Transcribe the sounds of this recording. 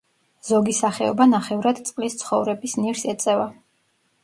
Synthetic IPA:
z̥ɔɡisaχɛɔ̰banaχɛvɾad̪t̪sʼqʼlist̪sʰχɔvɾɛbisniɾsɛt̪sʼɛva

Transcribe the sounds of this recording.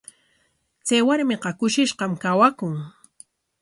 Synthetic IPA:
t͡sajwaɾmɪqɑkʊʃɪʃqɑmkawakʊŋ

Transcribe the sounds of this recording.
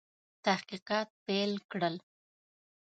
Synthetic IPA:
t̪ahqiqɑt̪̚pelkɽəl

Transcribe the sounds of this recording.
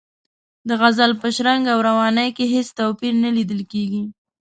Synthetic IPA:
d̪əɣazalpəʃɾaŋɡawɾawɑnəjkeɦest̪awpiɾnalid̪əlkeɡi

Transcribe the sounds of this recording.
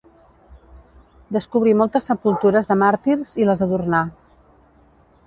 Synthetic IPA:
d̪əskuβ̞ɾimɔlˠt̪əsːəpulˠt̪uɾəzðəmaɾt̪iɾziləzəðurna

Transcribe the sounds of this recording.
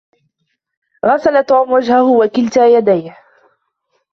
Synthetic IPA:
ɣasalat̪uːmwad͡ʒhahʊwakɪlt̪ajad̪ajh

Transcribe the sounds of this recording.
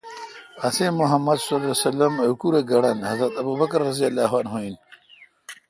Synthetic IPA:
ɐsemuɦɐmːɐd̪sɐlesɐlɐmɐukuɾeɡɐɽɐnhɐzɾɐt̪ɐbubɐkɐɾːɐzijɐlːaːɦwaːnɦoin

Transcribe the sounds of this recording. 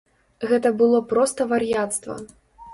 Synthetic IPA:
ɣɛt̪ɐbɨlˠɔpɾɔst̪ɐvarjat̪st̪vɐ̰

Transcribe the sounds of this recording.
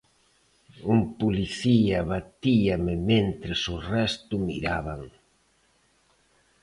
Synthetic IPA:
umpuliθiɐβat̪iɐmɪmẽnt̪ɾɪsʊrɛst̪ʊmiɾaβaŋ

